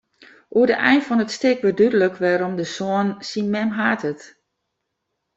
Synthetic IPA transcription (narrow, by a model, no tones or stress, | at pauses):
ʔuədəʔɛjnfɔnətstɪkʋədydələkʋɛːɾɔmdəsoənsinmɛmɦaːtət